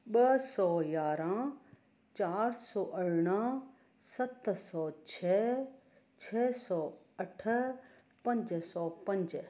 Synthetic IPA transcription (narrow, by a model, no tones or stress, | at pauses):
ɓɐsɔːjaːɾãː | t͡ɕaːɾsɔːʔəɽɽ̃ə | sɐt̪sɔːt͡ʃʰɛː | t͡ʃʰɛːsɔː | ɐʈʰə | pɐ̃ɲd͡ʒsɔːpɐ̃ɲd͡ʒ